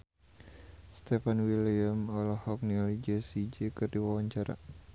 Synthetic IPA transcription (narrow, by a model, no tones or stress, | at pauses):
st̪ɛfanwiliamɔlɔhɔk̚nilid͡ʒəsid͡ʒəkɨrdiwawaɲt͡ʃaɾa̰